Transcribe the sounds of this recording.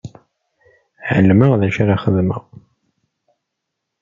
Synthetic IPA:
ʕə̰lːməʁðæʃaɾaχəðmə̰ʁ

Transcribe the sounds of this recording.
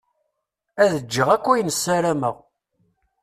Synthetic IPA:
æðəd͡ʒːəʁækʷːæjənəsːæɾæməʁ

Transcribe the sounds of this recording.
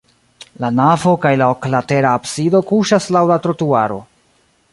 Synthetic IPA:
lanavo̞kajlaoklate̞ɾaːpsido̞kuʃaslawlatɾo̞tuaɾo̞̰

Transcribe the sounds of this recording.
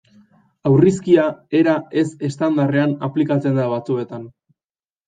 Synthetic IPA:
awriskiae̞ɾae̞se̞st̪and̪are̞anaplikat͡se̞nd̪aβat͡sue̞t̪an

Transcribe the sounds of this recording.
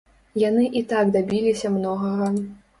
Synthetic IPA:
janɨʔit̪aɡd̪abʲilʲisʲɐmnɔɣɐɣɐ

